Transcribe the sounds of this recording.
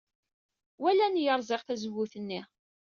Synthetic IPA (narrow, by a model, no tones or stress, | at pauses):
wælænjəɾˤzɪʁθæzəwːʊθənːi